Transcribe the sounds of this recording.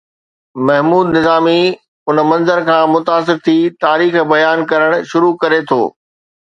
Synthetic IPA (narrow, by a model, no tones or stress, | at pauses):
mɐɦmuːd̪nɪzaːmi | ʊnmɐ̃nzəɾkʰãːmʊt̪aːs̬ɪɾt̪ʰiːt̪aːɾiːxbɐjaːnkɐɾəɽ̃ʊʃʊɾukɐɾet̪ʰo̰ː